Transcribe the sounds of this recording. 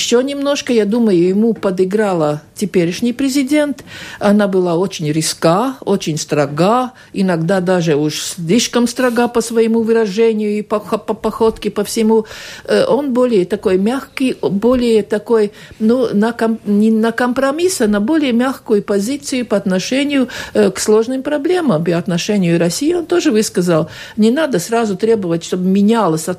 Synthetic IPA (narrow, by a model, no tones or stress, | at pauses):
ɪɕːonʲɪmno̞ʂkəjad̪uməjʊjɪmupɐd̪ɨɡɾalˠətʲɪpʲeɾʲɪʂnʲɪjpɾʲɪzʲɪdʲe̞nt̪ɐnabɨlˠaot͡ɕɪnʲɾʲɪskaot͡ɕɪnʲst̪ɾɐɡa | ɪnɐɡd̪ad̪aʐɨuʂsʲlʲiʂkəmst̪ɾɐɡapəsvɐjɪmuvɨɾɐʐɛnʲɪjʊipɐxopɐpɐxot̪kʲɪpəfsʲɪmuʔonbolʲɪjət̪ɐko̞jmʲaxkɨjbolʲɪjət̪ɐkoj | nunɐkɐmnʲɪnɐkəmpɾɐmʲisənɐbo̞lʲɪjəmʲaxkʊjʊpɐzʲit̪sɨjʊpɐɐt̪nɐʂɛnʲɪjʊkslˠo̞ʐnɨmpɾɐblʲe̞məmpəɐt̪nɐʂɛnʲɪjʊɾɐsʲijɪont̪oʐɨvɨskəzəlˠ | nʲɪnad̪əsrazʊt̪ɾʲebəvətʲʂt̪obɨmʲɪnʲalˠəsʲɐ